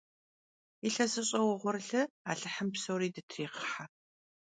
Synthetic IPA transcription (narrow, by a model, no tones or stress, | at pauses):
iɬɐsɨɕʼɐwʊʁʷʊrɮɨaːɬɨħəmpsowɾiːdɨtʰriːqə̥ħa